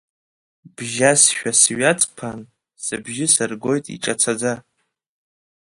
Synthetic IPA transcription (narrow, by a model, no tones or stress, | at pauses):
b̥ʒasʃᶣasɥat͡sʼpʰan | sɨbʒɪsɨrɡo̞jtʼḭʈ͡ʂʼat͡sʰad͡za